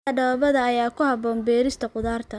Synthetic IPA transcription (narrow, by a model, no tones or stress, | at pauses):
ɐɖɐβɐðɐːjaːkʰʊhɐbɔːmbɛːɾɪst̪ʰɐqʊðaːrt̪ʰɐ